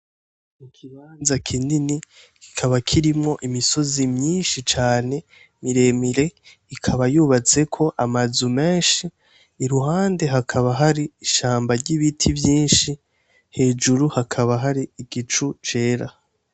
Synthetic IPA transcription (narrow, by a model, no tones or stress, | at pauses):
mukʰiβaːnzakʰinini | ki̥kʰaβakʰiɾimŋo̞ʔimiso̞zimɲiːnʃit͡ʃaːne̞ | miɾe̞miɾe̞ | ikʰaβajuβat͡se̞kʰo̞ʔamazume̞ːnʃiː | ɾuɦaːnde̞ɦakʰaβaɦaɾiiʃaːmbaɾɟiβitʰivjiːnʃi | he̞ːd͡ʒuɾuhakʰaβaɦaɾiiɡ̥it͡ʃut͡ʃe̞ːɾa